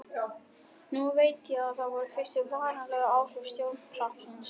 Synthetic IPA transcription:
nuveːjt̪jaaðθaðvɔɾʏfɪr̥ɪvaɣanalɛːɣaaːwr̥ʏpst̪jow̪ʰlahpsans

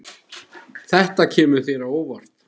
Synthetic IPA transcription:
θɛht̪acʰɛːmʏ̥θeːɾaoːwvaɾ̥t̪

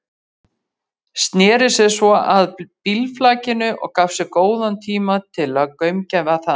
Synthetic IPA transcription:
st̪nɛːɾɪsɛsvɔaðpilflaːcɪnʏʔɔ̰ɣkafsɛkoːwðant̪ʰiːmat̪ʰɪlaðkœɥmcɛvaθa

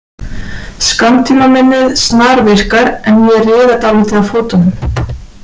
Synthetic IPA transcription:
skant̪ʰiːmamɪnːɪðsnaːɾvɪr̥kaɾɛnjɛrɪːðat̪awlɪːt̪ɪðafoːt̪ʏnm

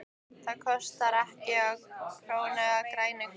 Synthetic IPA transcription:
θaðkʰɔst̪aɾɛhcɪapʰɾoːwnɛɣakɾaːjnɪŋk

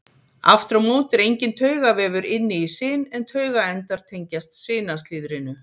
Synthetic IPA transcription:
a̰ft̪ɾawmoːt̪ɛɾejɲcɪnt̪ʰœːɥɣavɛːvʏɾɪnːɪisɪːnɛnt̪ʰœːɥɣaɛnt̪aɾ̥t̪ʰejɲcast̪sɪːnast̪lɪːðɾɪnʏ

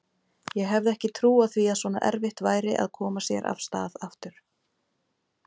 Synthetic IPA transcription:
jɛɣɦɛvðɪɛhcɪt̪ʰɾuːaðθviaðswɔːna̰ʔɛ̰ɾvɪht̪vaːjɾɪʔa̰ðkʰɔːmasjɛ̰ɾʔa̰fst̪a̰ːðaft̪ʏɾ̥

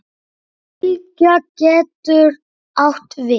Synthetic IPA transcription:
lcacɛːt̪ʏɾ | awht̪vɪ

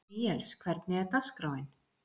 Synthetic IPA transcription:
iɛlskʰvɛɾt̪nɪɛɾt̪askɾaːwɪn

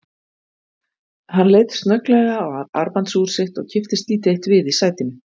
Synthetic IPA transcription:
hanːlejt̪st̪nœklɛɣaɔɣaða̰ɾpant̪suːɾ̥sɪht̪ɔ̰ɣcʰɪft̪ɪst̪liːt̪ɪeht̪vɪðisaːjt̪ɪm

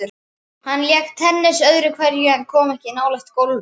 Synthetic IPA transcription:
ʏɾ | hanːljɛk̚t̪ʰɛnːɪsœðɾʏkʰvɛɾjʏɛnkʰɔːmɛhcɪnaːwlɛxt̪kowl

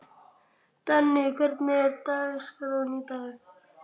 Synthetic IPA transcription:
t̪anːekəɾt̪net̪askəɾonit̪a

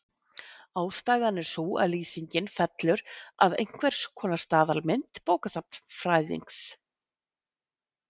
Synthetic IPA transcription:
aːwst̪aːjðanːɪɾ̥sua̰ðliːsiɲcɪnfɛt̪lʏɾaðḛjŋ̥kʰvɛɾ̥skʰɔːnḁst̪aːðalmɪnt̪poːwkasap̚nfɾaːjðḭŋks

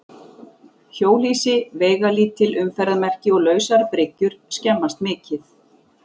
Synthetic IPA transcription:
çoːwl̥iːsɪvɛːjɣaliːt̪ʰːɪlʏmfɛɾðamɛr̥cɪɔɣlœːɥsaɾpɾɪcʏɾ̥scɛmːast̪mɪːcɪθ

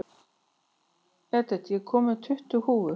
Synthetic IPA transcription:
ɛt̪ɛt̪jɛkʰɔːmʏt̪ʰʏht̪ʏhuːvʏ

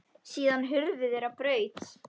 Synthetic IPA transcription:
siːðanɦʏɾðɪðɛɾapɾœːɥt̪s

